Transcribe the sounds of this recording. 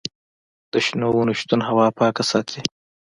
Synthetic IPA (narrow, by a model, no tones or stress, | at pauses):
d̪̥əʃnowunuʃt̪unɦawɑːpɑːkasɑːt̪ʰi